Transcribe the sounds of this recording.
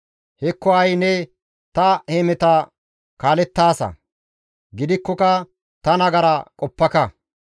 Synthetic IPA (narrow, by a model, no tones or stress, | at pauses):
hɛkːɔɐjnɛ | t̪ɐhemɛt̪ɐ | kaːlɛt̪ːaːsɐ̰ | ɡɪd̪ɪkːɔkɐ | t̪ɐnɐɡɐɾɐkʼɔpːɐkɐ